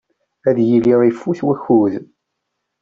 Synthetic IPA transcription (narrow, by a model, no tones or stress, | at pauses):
æðjilːiɾˤifːuθwæçːuð